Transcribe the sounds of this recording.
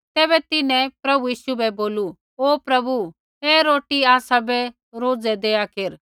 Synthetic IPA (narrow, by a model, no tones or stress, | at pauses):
t̪ɛːβɛt̪ɪnɛ̃pɾɐbujiːʃubʱɛboːlu | oːpɾɐbu | ɦeɾoːʈiaːsabɛ | ɾoːd͡zɛd̪eːjakeɾ